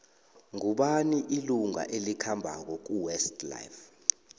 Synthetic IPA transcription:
ŋuɓaniʔiluŋa̰ʔelikʰambʱa̰k̬ɔk̬uwɛstla̰jf

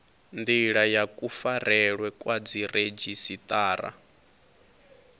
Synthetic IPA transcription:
nd̪iɺajakʼufaɾɛɺwɛkʼwad͡ziɾed͡ʒisit̪ʼaːɾa̰

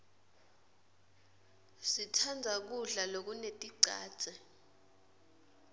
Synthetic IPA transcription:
sitʰand͡zʱak̬uɮalok̬unetʼiǀa̰̥ːt͡sʼɛ

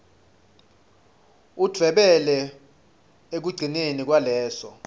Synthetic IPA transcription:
ud̥ʱwɛɓɛlɛ | ek̬uɡ͡ǀʱinenik̬ʼwalɛːsɔ̰

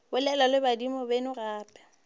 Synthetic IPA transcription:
bʊlɛlalɪbadimɔbenʊraːpʼɛ̥

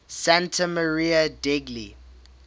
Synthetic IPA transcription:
sãntʰəməɹiədɛɡlḭ

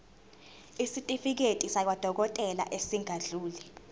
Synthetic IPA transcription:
isitʼifik̬etʼisak̬wad̥ʱɔk̬ɔtʼɛla̰ʔesiŋaɮuːlɛ

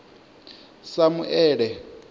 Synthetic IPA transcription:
samuʔɛːɺɛ

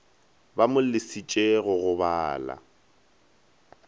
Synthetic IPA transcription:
bamʊlɪsit͡ʃʼeɣʊɣʊbaːla̰

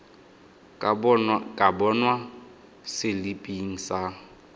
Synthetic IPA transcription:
kʼabɔnwa | sɪlipʼiŋ̩sa

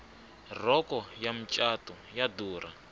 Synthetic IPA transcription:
rɔkɔjam̩t͡ʃʼatɔ | jaduːra̰

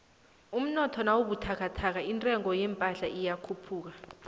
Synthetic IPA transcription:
um̩nɔtʰɔnawoɓutʰakʰatʰak̬aintʼɛŋɔjɛmpʼaɬaʔijakʰupʰuːk̬a

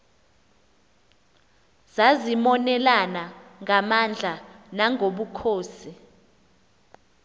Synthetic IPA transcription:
z̥azimɔnɛlanaŋʱamand͡ɮʱanaŋɡʱoɓukʰoːsi

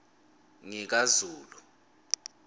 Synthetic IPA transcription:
ŋik̬azuːlu

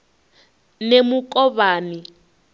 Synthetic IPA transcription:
nemukʼɔβaːni

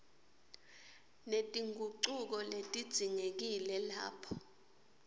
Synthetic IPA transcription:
netʼiŋɡʱuǀuk̬ɔletʼid̥z̥ʱiŋek̬ilɛla̰ːpʰɔ̥

